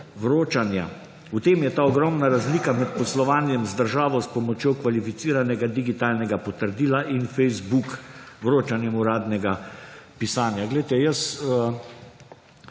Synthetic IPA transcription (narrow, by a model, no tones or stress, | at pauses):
ʋɾoːt͡ʃanja̰ | ut̪eːmjɛt̪aːɔɡɾɔmnaɾazliːkamɛt̪pɔslɔʋaːnjɛmzd̪əɾʒaːʋɔspɔmɔt͡ʃjokʋalifit̪siːɾanɛɡad̪iɡit̪aːlnɛɡapɔt̪əɾd̪iːlaʔinfɛjzbukʋɾoːt͡ʃanjɛmuɾaːd̪nɛɡapisaːnjaɡlɛjt̪ɛjəsə